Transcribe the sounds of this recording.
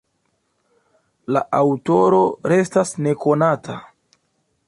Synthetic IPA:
la̰ʔawto̞ɾo̞ɾe̞stasne̞ko̞natʰa̰

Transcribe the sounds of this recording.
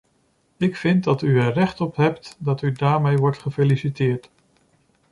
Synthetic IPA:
ɪkfɪnt̚dɑtyənrɛχtɔpɦɛptdɑtydaːɹmejʋɔɹtχəfelisitɪːɹt

